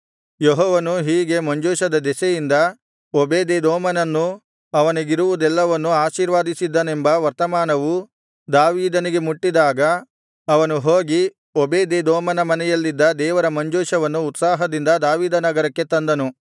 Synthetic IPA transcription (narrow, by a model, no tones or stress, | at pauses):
jeɦɔːʋɐnuɦiːɡe̞mɐɲd͡ʒoːʃɐd̪ɐd̪ɛsɛjind̪ɐ | obeːd̪ed̪ɔːmɐnɐnːu | ɐʋɐniɡiɾuʋud̪ɛlːɐʋɐnːuaːʃiːɾʋaːd̪isid̪ːɐnembɐʋɐɾt̪ɐmaːnɐʋu | d̪aːʋiːd̪ɐniɡe̞muʈːid̪aːɡɐː | ʋɐnuɦoːɡi | ɔbeːd̪ed̪ɔːmɐnɐmɐnɛjɐlːid̪ːɐd̪ɛːʋɐɾɐmɐɲd͡ʒoːʃɐʋɐnːuːt̪saːɦɐd̪ind̪ɐd̪aːʋiːd̪ɐnɐɡɐɾɐkːe̞t̪ɐnd̪ɐnu